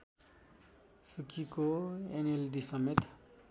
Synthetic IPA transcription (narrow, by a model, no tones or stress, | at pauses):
sukʰikoenelɖisʌmet̪